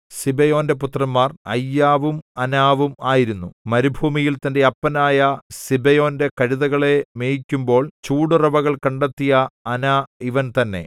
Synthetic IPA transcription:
sibɐjo̞ːnde̞put̪rɐmːaːrɐ̰jːaːʋumɐnaːʋumaːjiɾunːumɐɾubʱuːmijilt̪ɐnde̞ɐpːɐnaːjɐsibɐjo̞ːnde̞kɐɻiðɐɣɐɭe̞meːjikʲːumbo̞ːɭt͡ɕuːɽurɐbɐɣɐɭkɐɳɖɐt̪ːijɐɐnaiʋɐnt̪ɐnːe̞̰

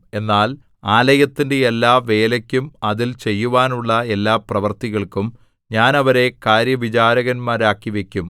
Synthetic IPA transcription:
e̞nːaːl | aːlɐjɐt̪ːinde̞elːaːʋe̞ːlɐkʲːumɐðilt͡ɕe̞jːuʋaːnuɭːɐe̞lːaːprɐʋɐrt̪iɣɐɭkum | ɲaːnɐʋɐɾe̞kaːɾjɐʋit͡ɕaːɾɐɣɐnmaːɾaːkːiʋe̞kʲːum

